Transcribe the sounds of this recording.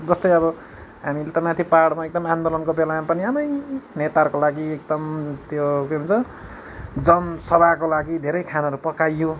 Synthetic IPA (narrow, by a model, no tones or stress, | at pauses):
d͡zʌst̪ʌjʌbʌ | ɦamilet̪ʌmat̪ʰipaɽmaek̚d̪ʌmand̪olʌnkobelãpʌniʌnʌjnet̪arkolaɡiek̚d̪ʌmt̪jokeunt͡sʌ | d͡zʌnsʌbʱakolaɡid̪ʱeɾʌjkʰanaʌɾupʌkajːo